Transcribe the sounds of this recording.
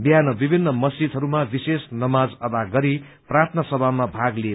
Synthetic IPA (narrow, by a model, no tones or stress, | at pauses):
bjanʌbibʱinːʌmʌsd͡ʒid̪ʱɦʌɾumabisesnʌmad͡zʌb̪aɡʌɾi | prart̪ʰnʌsʌbʱamabʱaɡli